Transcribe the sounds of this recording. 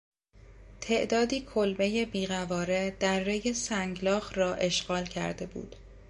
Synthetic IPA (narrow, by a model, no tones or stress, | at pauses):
t̪ʰe̞ʔd̪ɒːd̪iːkʰolbe̞je̞biːɣævɒːɾe̞d̪̥æɾːejesæŋɡlɒːxrɒːʔe̞ʃɢɒːlcʰæ̰ɾd̪e̞bṵːd̪̥